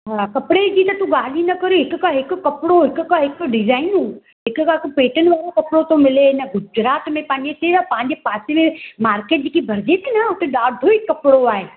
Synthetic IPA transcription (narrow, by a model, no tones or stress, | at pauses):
ɦãːkɐpɽed͡ʑit̪ɐt̪uɡaːl̤inɐkɐɾiɦɪkkaɦɪkkɐpɽoɦɪkkaɦɪkɖɪzaːɪnɦũː | ɦɪkaɦɪkpeːʈən̆ʋaːɾokɐpɽot̪omɪlenɐɡʊd͡ʒɾaːt̪mẽpãːɪ̃ɲd͡ʑet̪eːɾapãːɪ̃ɲd͡ʑepaːsemẽmaːɾkeːʈ̚d͡ʑikibʱɐɾd͡ʒeːt̪nɐʊk̪ʰeɗaːɾd̪ʱoɪkːɐpɽoaːɦeː